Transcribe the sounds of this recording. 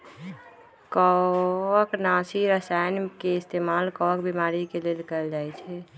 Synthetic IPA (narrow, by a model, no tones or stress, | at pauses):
kɔəknasiɾəsajnkeɪst̪emalkɔəkbimaɾikelelkəld͡ʒajt͡ʃʰɛ